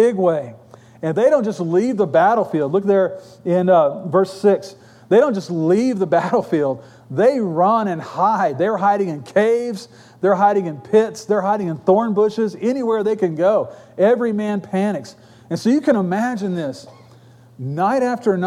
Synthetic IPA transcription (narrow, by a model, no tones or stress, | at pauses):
ɪɡweɪ | ɨ̃nðeɪɾõʊ̃nd̥d͡ʒ̥ʌstˡlivðəbæɾl̩ˠfilˠdˡlʊk̚ðə˞ | ɪ̃nvɜ˞sɪks | ðeɪɾõʊ̃n̥d͡ʒ̥ʌstˡlivðəbæɾl̩ˠfilˠd̪̚ | ðeɪɹʌ̃nɨ̃nhaɪd̚ðə˞ɦaɪɾɪ̃ŋɨ̃nkʰeɪvz̥ | ðə˞ɦaɪɾɪ̃ŋɨ̃npʰɪtsðə˞ɦaɪɾɪ̃ŋɨ̃nθɔɹnbʊʃɪzɛñiwɛɹðeɪkɨ̃nɡoʊɛvɹimæ̃npʰænɨks | ɨ̃nsoʊjɨkɨ̃ñəmæd͡ʒɨ̃nðɪs | naɪɾæftə˞n